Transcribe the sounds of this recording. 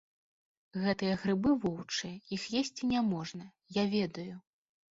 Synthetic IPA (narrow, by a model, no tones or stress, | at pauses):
ɣɛt̪ɨjɐɣɾɨbɨvɔwt͡ʂɨjɐixjesʲt͡sʲinʲamɔʐnɐ | javʲɛd̪ɐju